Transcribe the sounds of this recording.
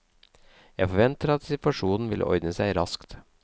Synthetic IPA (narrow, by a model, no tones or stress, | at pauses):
jæɪfɔʋɛnt̪əɾɑt̪sɪt̪ʋɑʂuːnn̩ʋɪlʔə̰ʔɔ̰ʏd̪əsæɪɾɑskt̪